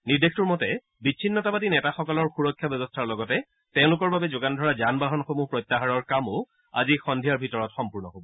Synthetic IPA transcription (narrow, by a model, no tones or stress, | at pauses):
niɹdextuɹmɔtɛ | bit͡ʃʰinːɔtabat̬inɛtaxɔkɔlɔɹxuɹɔkʰːjabɛbɔstʰaɹlɔɡɔtɛ | tɛ̃ʊ̃lʊkɔɹbabɛzoɡandʱɔɹazanbaɦɔnxomupɹɔjtːaɦaɹɔɹkamo | a̰zixɔndʱijaɹbʱitɔɹɔtxɔmpuɹnɔɦobɔ